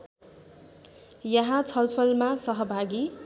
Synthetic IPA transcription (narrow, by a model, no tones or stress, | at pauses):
jʌɦãt͡sʰʌlpʰʌlmasʌɦʌbʱaɡi